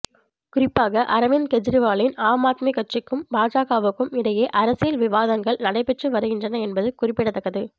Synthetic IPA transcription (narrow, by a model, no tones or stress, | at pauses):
kʊɾɪpːaːɣɐʔɐɾɐʋɪnkɛd͡ʒɾɪʋaːlɪnaːmaːt̪mikɐʈrɪkːɯmbaːd͡ʒaːɣaːʋɯkːɯmɪɽɐjeːʔɐɾɐsɪjɪlʋɪʋaːðɐŋɡɐɭnɐɽɐɪpɛʈrɯʋɐɾɯɣɪndrɐnɐɛnbɐðɯkʊrɪpːɪɽɐt̪ːɐkːɐðɯ